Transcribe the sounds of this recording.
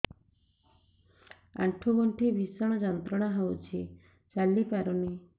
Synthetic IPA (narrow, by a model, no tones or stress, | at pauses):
a̰ʈʰuɡɔɳʈʰibʱisɔɽ̃ɔd͡ʒɔnt̪ɾɔɽ̃aɦɔwt͡ʃʰi | t͡ʃalːipaɾɔni